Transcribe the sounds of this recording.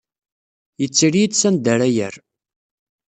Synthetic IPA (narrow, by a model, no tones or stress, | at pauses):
jət͡sːiɾijid̪sænd̪æɾæjə̰ɾ